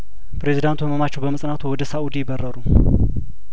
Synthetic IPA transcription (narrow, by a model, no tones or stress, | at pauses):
pʰɾe̞zid̪ant̪ʰubəməmat͡ʃːɛwbəməsʼnat̪ʰuwɔd̪əsaʔud̪ijɪbərːəɾu